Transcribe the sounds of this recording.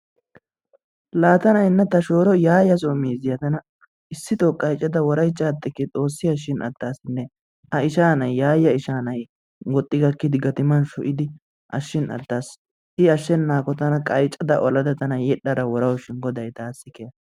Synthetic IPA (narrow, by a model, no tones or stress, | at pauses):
laːt̪ɐnɐɪnːɐt̪ɐʃoːɾɔjaːjɐs̬oːmiːzɪjɐt̪ɐnɐ | ɪsːɪt̪okʼɐjt͡ʃʼːɐd̪ɐwɔɾɐjt͡ʃːaːt̪ːɪkːɛt͡sʼo̞ːsːɪjɐʃ̬ːɪnʔɐ̰d̪ːaːsɪnːɛ | ɐɪʃaːnɐjːaːjɐɪʃaːnɐj | wɔt̪ʼːɪɡɐkːɪd̪ɪɡɐt̪ɪmɐnʃɔʔɪd̪ɪ | ʔɐʃːɪnɐ̰d̪ːaːs | ɪɐʃːɛnːaːkɔt̪ɐnɐkʼɐjt͡ʃʼːɐd̪ɐʔɔlɐd̪ɐt̪ɐnɐjɛɗːɐɾɐwɔɾɐwʃɪnɡɔd̪ɐjt̪aːsːɪkɛjɐ